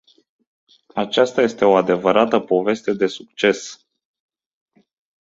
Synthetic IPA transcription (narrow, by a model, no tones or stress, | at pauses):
at͡ʃast̪aje̞st̪e̞o̞ad̪e̞vəɾat̪əpo̞ve̞st̪e̞d̪e̞suk̚t͡ʃe̞s